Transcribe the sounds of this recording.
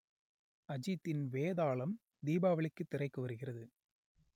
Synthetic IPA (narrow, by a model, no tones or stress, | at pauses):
ɐd͡ʒɪt̪ːɪnʋeːðaːɭɐm | d̪iːbaːʋɐɭɪkːɯt̪ːɪrɐɪkːɯʋɐɾɯɣɪrɐðɯ